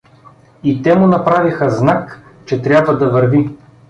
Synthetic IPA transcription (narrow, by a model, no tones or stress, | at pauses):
it̪ɛmʊnɐpɾavixəznakt͡ʃɛt̪ɾʲjabvɐd̪ɐvɐɾvi